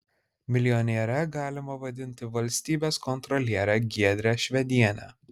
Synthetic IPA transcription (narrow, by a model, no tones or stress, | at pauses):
mʲɪlʲɪjɔnʲeɛɾʲɛɡɑːlʲɪmɐʋɐd̪ʲɪnʲt̪ʲɪʋɐlʲsʲt̪ʲiːbʲeːskɔnt̪ɾɔlʲiɛɾʲæɡʲiɛd̪ʲɾʲæːʃʲʋʲɛd̪ʲiɛnʲæ̰ː